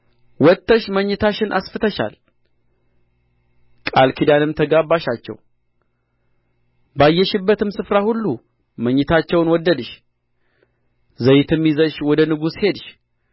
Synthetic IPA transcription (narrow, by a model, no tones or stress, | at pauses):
wɔt̪ʰːəʃməɲːɪt̪ʰaʃɪnʔa̰sfɨt̪əʃa̰l | kʼalkʰid̪anɨmt̪ʰəɡabːaʃat͡ʃːɛ̰w | bajːɛʃɪbːət̪ɨmsɨfɾahulːu | məɲːɪt̪ʰat͡ʃːɛwnwɔd̪ːəd̪ɨʃ | zəjɪt̪ʰɨmjizəʃwɔd̪ənɨɡushe̞d̪ʃ